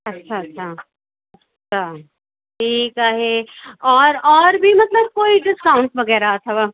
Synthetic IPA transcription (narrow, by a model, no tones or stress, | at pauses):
ɐtːʃʰaɐtːʃʰa | ɐtːʃʰa | ʈʰiːkaːɦɛɔːɾɔːɾbʱimɐt̪ləb̚koːiɖɪskaʊɳʈʋɐɡɛːɾaɐt̪ʰaba